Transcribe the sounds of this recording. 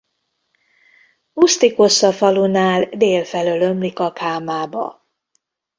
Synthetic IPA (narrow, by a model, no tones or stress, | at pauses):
must̪iko̞sɒfɒlunaːld̪eːlfɛlølø̞mlikɒkʰaːmaːbɒ̰